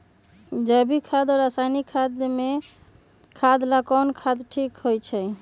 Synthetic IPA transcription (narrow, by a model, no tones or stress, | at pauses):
d͡ʒəbʱikʰad̪ɔɾasanikʰad̪me | kʰad̪lakɔnkʰad̪ʈʰikɦojt͡ʃʰɛ